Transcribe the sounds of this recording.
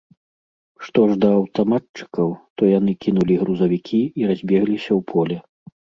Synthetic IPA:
ʂt̪ɔʐd̪ɐːwt̪amat̪̚t͡ʂɨ̥kɐwt̪ɔjanɨkʲinulʲiɣɾuzɐvʲikʲʰiiɾazʲbʲɛɣlʲisʲɐwpʰɔlʲɛ

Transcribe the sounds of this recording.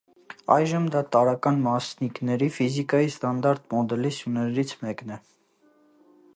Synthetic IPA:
ɑjʒəmd̪ɑt̪ɑɾɑkɑnmɑsniknɛɾifizikɑjist̪ɑnd̪ɑɾt̪mɔd̪ɛlisjunɛɾit͡sʰmɛknɛ

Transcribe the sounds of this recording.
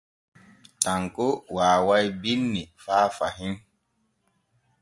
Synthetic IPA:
taŋkowaːwajbinːifaːfaɦin

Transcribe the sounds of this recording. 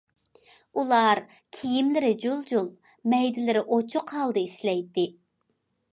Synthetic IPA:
ulˠɑɾ | kʲʰijimlɪɾɪd͡ʒolˠd͡ʒolˠ | mɛjd̪ɪlɪɾɪʔot͡ʃʰʊqhɑlˠd̪ɨiʃlɛjt̪ːɪ

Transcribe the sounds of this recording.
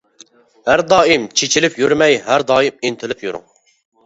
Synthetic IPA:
hæɾd̪ɑːimt͡ʃʰet͡ʃʰilɪpjyɾmɛjɦæɾd̪ɑːjimint̪ʰɪlɪpʰjyɾʊ̰ŋ

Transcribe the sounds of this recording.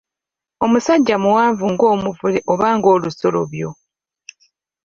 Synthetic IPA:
o̞musaɟːamuwaːɱvuŋɡo̞ːmuvuleʔo̞βaːŋɡo̞ːluso̞lo̞̰βjo̞

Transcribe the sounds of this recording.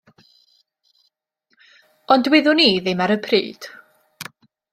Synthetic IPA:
ɔndwɪðʊniːðɪmaɾəpʰrḭːd̥

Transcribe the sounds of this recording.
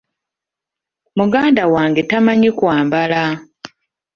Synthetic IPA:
muɡaːndawaːŋɡe̞tamaɲikwaːmbala

